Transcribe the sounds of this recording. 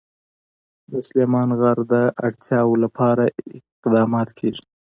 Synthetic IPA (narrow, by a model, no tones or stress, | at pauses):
mʊslemɑnɣaɾd̪əʔaɽt̪ʰjɑwolapʰɑɾaɪqd̪ɑːmɑt̪kʰeʐi̥